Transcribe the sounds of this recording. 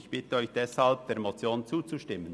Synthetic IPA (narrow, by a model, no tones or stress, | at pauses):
çb̥ɪtəœʏçd̥ɛshalb̚d̥eːɾmot͡sjoːnt͡suːt͡suʃtɪmːən